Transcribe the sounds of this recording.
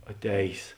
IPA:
ɐˈtʲɛːjs

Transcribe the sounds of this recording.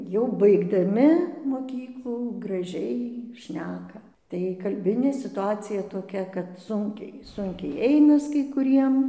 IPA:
jɛʊ bɐɪɡdɐˈmʲɪ moːˈkʲiːklˠuː ɡrɐˈʒʲɛɪ ˈʃʲnʲæːkɐ tɐɪ kɐlʲˈbʲɪnʲeː sʲɪtʊˈɑːt͡sʲɪjɛ toːˈkʲɛ kɐt ˈsʊŋʲkʲɛɪ ˈsʊŋʲkʲɛɪ ˈɛɪnɐs kɐɪ kʊˈrʲiɛm

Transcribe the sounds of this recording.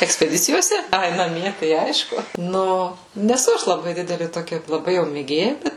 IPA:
ɛksʲpʲɛˈdʲɪt͡sʲɪjoːsʲɛ ˈɐɪ nɐˈmʲiɛ tɐɪ ˈɐɪʃkʊ ˈnʊ nʲɛˈsʊ ˈɐʃ lˠɐˈbɐɪ ˈdʲɪdʲɛlʲɪ toːˈkʲɛ lˠɐˈbɐɪ jɛʊ mʲeːˈɡʲeːjɛ ˈbʲɛt

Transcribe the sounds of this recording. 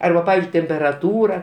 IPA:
ˈɐrbɐ ˈpɑːʋʲɪzʲd͡ʒʲʊɪ tʲɛmʲpʲɛrɐˈtuːrɐ

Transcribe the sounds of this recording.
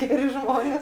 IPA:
ˈɡʲæːrʲɪ ˈʒmoːnʲeːs

